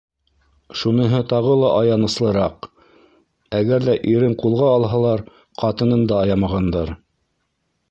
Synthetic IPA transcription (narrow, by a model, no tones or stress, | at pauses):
ʃunɤ̆ɦɤt̪ɑʁɤlˠɑʔɑjɑnɤ̆slˠɤ̆ɾɑq | æɡæɾðæʔiɾɘɴqulˠʁɑːlˠɦɑlˠɑɾ | qʰɑt̪ɤ̆nɤnd̪ɑːjɑmɑʁɑnd̪ɑɾ